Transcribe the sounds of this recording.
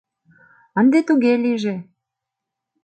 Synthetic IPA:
ənd̪et̪uɣeliʒe

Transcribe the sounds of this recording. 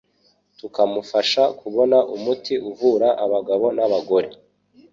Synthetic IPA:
tukamufaʃakʰuβo̞naʔumutiʔuvuɾaʔaβaɡaβo̞naβaɡo̞ɾe̞

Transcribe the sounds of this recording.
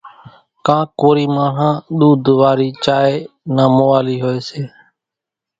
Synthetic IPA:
kãːkoːɾiːmaːɳ̤ãːɗ̪uːd̪ʱʋaːɾiːt͡ʃaːeːnãːmoʋaːliːɦoːeːseː

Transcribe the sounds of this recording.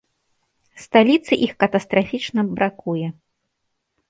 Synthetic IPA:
st̪alʲit̪sɨʔixkɐt̪ɐst̪ɾafʲit͡ʂnɐbɾʔakujɛ

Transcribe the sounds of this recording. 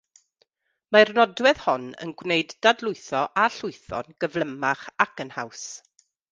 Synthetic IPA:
marnɔdwɛð̥hɔnə̰nɡwneɨdd̥adlˠʊɨθɔʔaɬʊɨθɔ̰nɡəvlˠəmaχakənha̰ws

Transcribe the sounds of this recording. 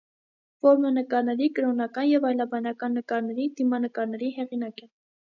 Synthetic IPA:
vɔɾmɛnəkɑɾnɛɾikəɾɔnɑkɑnjɛvɑjlɑbɑnɑkɑnːəkɑɾnɛɾid̪imɑnəkɑɾnɛɾiɦɛʁinɑkɛ

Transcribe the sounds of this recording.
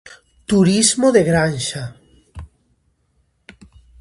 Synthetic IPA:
t̪uɾizmoðeɣɾanʃa

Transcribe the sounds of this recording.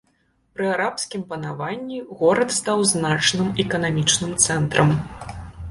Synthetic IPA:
pɾɨaɾapsʲkʲimpɐnavanʲːiɣɔɾɐt̪st̪awznat͡ʂnɨmɛkɐnamʲit͡ʂnɨmt̪sɛnt̪ɾɐm

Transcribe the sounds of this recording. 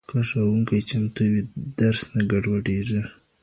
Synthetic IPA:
kaʂawuŋkajt͡ʃamt̪uwid̪̥aɾsnaɡaɖwaɖeʐi

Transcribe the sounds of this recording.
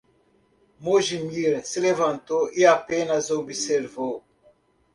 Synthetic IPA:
moʒimiɾsilevɐ̃nt̪oʔiapẽnɐzobiseɾvow

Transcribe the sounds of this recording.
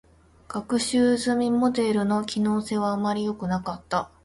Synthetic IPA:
ɡ̥akɯ̟ɕɨːzɨmʲimo̞d̪e̞ɾɯ̟no̞kʲino̞ːse̞β̞aːmːaɾʲijo̞kɯ̟nakat̪ːa

